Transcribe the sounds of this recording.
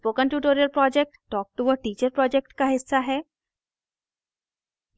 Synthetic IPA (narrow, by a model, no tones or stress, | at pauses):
pokə̃nʈjuːʈoɾijəlpɾɔd͡ʑek̚ʈːɔk̚ʈuʋəʈiːt͡ɕəɾpɾɔd͡ʑek̚ʈkaɦisːaɦɛ